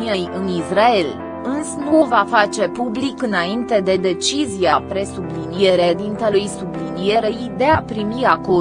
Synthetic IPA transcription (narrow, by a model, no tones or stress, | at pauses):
iejɨnisrae̞l | ɨnsnuvafat͡ʃe̞publikɨnaint̪e̞d̪e̞d̪e̞t͡ʃizijapɾe̞sublinije̞ɾed̪int̪əlujsublinije̞ɾejd̪e̞apɾimiako